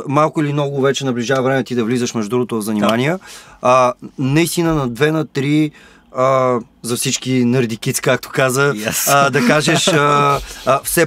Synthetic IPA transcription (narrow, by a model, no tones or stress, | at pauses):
malˠkʊilimnɔɡʊvɛt͡ʃɛnɐbliʒavɐvɾɛmɛt̪id̪ɐvlizəʃmɛʒd̪ɾuɡot̪oɐzɐnimaniə | nɐist̪inənɐd̪vɛnɐt̪ɾi | ə | zɐfsit͡ʃkinəɾd̪ikit̪skak̚t̪o̥kazəd̪ɐkaʒɛʃə | fsɛ